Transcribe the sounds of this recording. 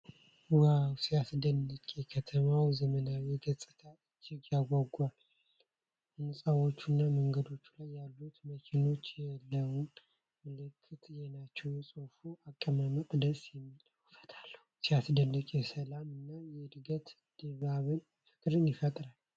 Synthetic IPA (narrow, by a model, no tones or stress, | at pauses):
wawsijasd̪ənːəkʼekʰət̪ʰəmawzəmənawjɛɡəsʼɨt̪ʰaɨd͡ʒ̪ɪɡjaɡʷaɡal | nɨsʼawo̞t͡ʃːunːaməŋɡəd̪o̞t͡ʃːulajːalːut̪məkʰeno̞t͡ʃːjɛlːəwum | mɨlɨkʰːɨt̪ʰjɛnat͡ʃːɛwjɛsʼofuakʼːəmaməkʼd̪əsʼjɛmːit̪ʼawfə̥t̪ʰalːəhusiasd̪ənːəkʼesəlamɨnːajɛd̪ɨɡət̪ | d̪̥eβaβɨn | fɨ̥kʼɾɨnjɪfət̪ʼɾal